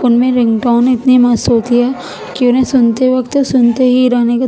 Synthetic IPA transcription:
ʊnmẽɾɪ̃ŋɡʈaːnɪt̪nimast̪ɦoːt̪iɦɛː | kiʊnɦẽsʊnt̪eʋɐkt̪sʊnt̪eɦiɾaːneka

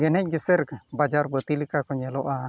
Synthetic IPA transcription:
ɡenɛd͡ʒesɛɾkabad͡ʒarbət̪ilikakoɲeloʔa

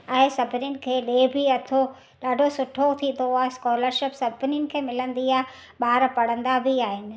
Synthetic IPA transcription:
ɛ̃ːsɐbʱɪnjʊnɪ̆kʰeːleːbʱiɐt̪ʰo | ɗaːɖʱosʊʈʰot̪ʰĩn̆d̪oaːɦeskɔːləɾʃɪpsɐbʱɪnjʊnɪ̆kʰeːmɪlə̃nd̪iaːɦɪ | ɓaːɾpɐɽ̤ə̃nd̪abʱiaːɦɪnɪ̆

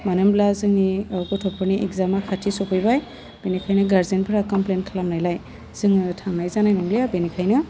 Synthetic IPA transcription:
manɯmblazɯŋikɔtʰɔpʰɯɾniʔḛkzamakʰatʰisɔpʰɯjbaj | b̥enikʰajnɯɡaɾzenpʰɾakɔmplenkʰalamnajlaj | z̥ɯŋtʰaŋnajzanajmɔŋlijabenikʰajnɯ

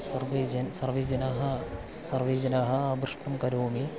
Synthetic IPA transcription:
sɐrʋid͡ʑɐnsɐrʋiːd͡ʑɐnaːɦɐ | sɐrʋiːd͡ʑɐnaːɦɐaːbrɨʂʈɐmkɐɾoːmi

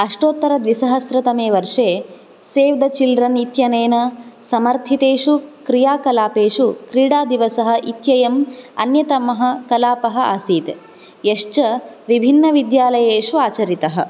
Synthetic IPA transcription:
ɐʂʈoːt̪ːɐɾɐd̪ʋisɐɦɐsɾɐt̪ɐmeːʋɐɾʂeː | seːʋd̪ɐt͡ʃilɾɐnit̪jɐneːnɐsɐmɐɾt̪ʰit̪eːʂukɾijaːkɐlaːpeːʂukɾiːɽaːd̪iʋɐsɐɦɐ̆ʔit̪jɐjɐmɐ̰njɐt̪ɐmɐɦɐ̆kɐlaːpɐɦɐ̆a̰ːsiːt̪e | jeʂt͡ʃɐʋibʱinːɐʋid̪jaːlɐjeːʂuaːt͡ʃɐɾit̪ɐɦɐ̆

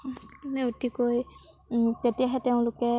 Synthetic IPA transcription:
anɛutikoj | tetijaɦɛteʊ̃lʊkɛ

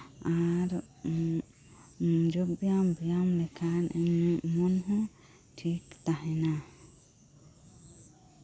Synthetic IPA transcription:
aɾ | d͡ʒobijambijamlɛkʰanɛnmɔnɦɔ̃ | ʈʰikt̪aɦɛna

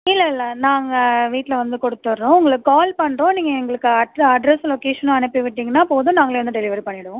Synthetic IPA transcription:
ɪlːɐɪlːɐnaːŋɡɐʋiːʈːlɐʋɐnd̪ɯkɔɽɯt̪ːɯʋɐɾːõʊŋɡɐɭɯkːɯkaːlpɐɳːɾõːniːŋɡɐɛŋɡɐɭɯkːɯɐɐɖɾɛslɔkeːʂɐnʊ̃ɐnɪpːiʋɪʈːiːŋɡɐnːaːpoːðɯ̃naːŋɡɐɭeːʋɐnd̪ɯɖɛlɪʋɐɾipɐɳːɪɽɯʋõ

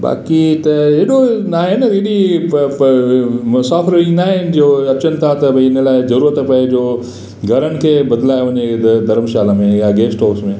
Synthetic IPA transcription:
ba̰ːkit̪ɐeːɗonaːɦenɐɾiɗi | mʊsaːfəɾinaːɦɪnd͡ʑoːɐt͡ɕənɪ̆t̪ʰat̪ɐbɪnə̆laːɪzɐɾuːɾət̪pɐɪd͡ʑoː | ɡʱɐɾəñɪ̆kʰeːbɐd̪laːjoʋɐɲed̪ɐɾəmʃaːləmẽjaɡeːsʈoːksmẽ

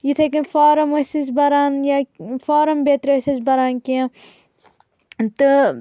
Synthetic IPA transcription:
jit̪ʰekinfaːɾɐmɐsisbɐɾaːnjafaːɾɐmbet̪ɾɐsisbɐɾaːnkĩ | t̪ɨ

